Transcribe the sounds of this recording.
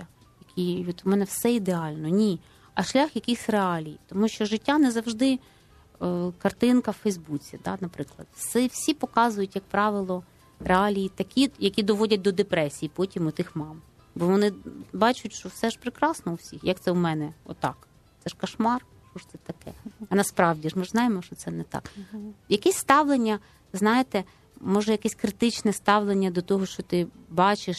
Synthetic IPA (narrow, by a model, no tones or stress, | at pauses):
a | jɐkʲʰijɔt̪ʊmɛnɛwsɛid̪eɑlʲnɔnʲi | ɐʃlʲaxjɐkʲɪsʲreɑlʲijit̪ɔmuʃt͡ʃɔʒɪtʲːanɛzɐwʒd̪ɪ | kɐrt̪ɪnkɐwfɛjzbut͡sʲid̪ɑ̰nɐpɾɪklˠɐ̰d̪sɛwsʲipɔkɑzʊjʊtʲjɐk̚pɾɑʋɪlˠɔ | reɑlʲijit̪ɐkʲijɐkʲid̪ɔʋɔdʲɐt̚ʲd̪ɔd̪epɾɛsʲijipɔtʲimʊt̪ɪxmɑm | bɔʋɔnɪbɑt͡ʃʊtʲʃt͡ʃɔwsɛʒpɾɪkɾɑsnɔuwsʲixjɐk̚t̪sɛumɛnɛɔt̪ːɑ̰k | t̪sɛʃkɐʃmɑr | ʃt͡ʃɔʃt̪sɛt̪ɐkɛ̰ɐnɐspɾɑwdʲiʒmɪʒznɑjemɔʃt͡ʃɔt̪sɛnɛt̪ɑ̰kjɐkɛsʲst̪ɑwlˠenʲːɐ | znɑjet̪ɛ | mɔʒɛjɐkɛsʲkɾɪt̪ɪt͡ʃnɛst̪ɑwlˠenʲːɐd̪ɔt̪ɔɦɔʃt͡ʃɔt̪ɪbɑt͡ʃɪʃ